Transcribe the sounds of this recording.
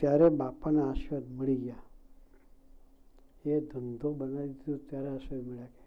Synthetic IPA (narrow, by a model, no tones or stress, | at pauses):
t̪jaɾebapanaaʃʋəd̪məɭiɡja | ed̪ʱənd̪ʱobənad̪id̪ũt̪jaɾeaʃʋəd̪məɭjake